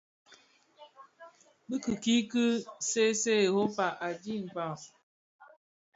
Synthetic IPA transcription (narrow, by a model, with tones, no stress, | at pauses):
bi˦kɨ˨ki˦kɨ˦se˦se˦˨ho˦pa˨ʔa˨d͡ʒi˦˨m̩˨pa˨